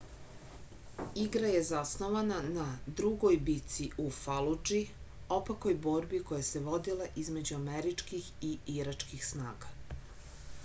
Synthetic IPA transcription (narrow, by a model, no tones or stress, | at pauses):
iɡɾaje̞zasnoʋananad̪ɾuɡojbit̪siufalud͡ʒi | o̞pako̞jboːɾbiko̞jaseʋo̞d̪ilaʔizme̞d͡ʑuameɾit͡ʂkixiiɾat͡ʃkixsnaːɡa